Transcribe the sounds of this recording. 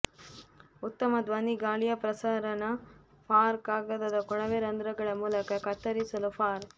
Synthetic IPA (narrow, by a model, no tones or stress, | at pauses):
ut̪ːɐmɐd̪ʋaːniɡaːlijɐpɾɐsaːɾɐnɐ | pʰaːɾkaːɡɐd̪ɐd̪ɐkɔɳɐʋeɾɐnd̪ɾɐɡɐɭɐmuːlɐkɐkɐt̪ːɐɾisɐlupʰaːɾ